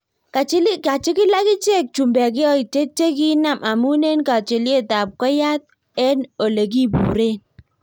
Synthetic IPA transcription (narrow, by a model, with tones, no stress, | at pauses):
ka˨t͡ʃɪ˦lɪ˦ka˨t͡ʃɪ˦kɪ˦la˦kɪ˦t͡ʃe˦˨k̚t͡ʃu˨mbɛ˨k̬ɪ˦ɔ˦i˨t͡ʃe˦t͡ʃe˦ki˦na˦˨mʔa˨mu˦ne˦nka˨t͡ʃɪ˨lɪ˦e˦ta˨p̚kɔ˦ja˦t̚ | ɛ˦no˨le˨k̬i˦bṵː˨ɾe˦n